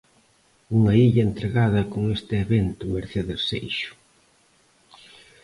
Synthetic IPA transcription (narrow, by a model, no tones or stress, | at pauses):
uŋɐiʎɐent̪ɾeɣaðɐkoŋest̪ɪeβent̪ʊmeɾθeðesḛjʃʊ̥